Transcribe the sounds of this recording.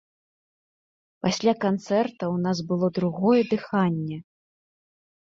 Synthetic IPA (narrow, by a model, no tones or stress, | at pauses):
pasʲlʲakant̪sɛrt̪ɐwnasbɨlˠɔd̪ɾuɣɔjɛd̪ɨxanʲːɛ